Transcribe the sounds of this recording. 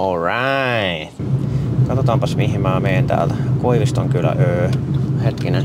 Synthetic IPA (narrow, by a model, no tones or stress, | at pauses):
olɹaɪ | t̪kɑt̪ot̪ɑmpɑsmihimmæːmeint̪æ̰ːlt̪ækoiʋist̪oŋkylːæ̰ʔøːhet̪kine